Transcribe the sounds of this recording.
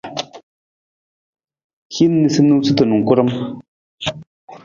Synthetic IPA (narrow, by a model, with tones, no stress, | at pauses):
xi˦nː˦i˨sə˦mnu˦wt͡sɨ˦t̪ə˨nu˨ŋ˨ku˦ɾə˦m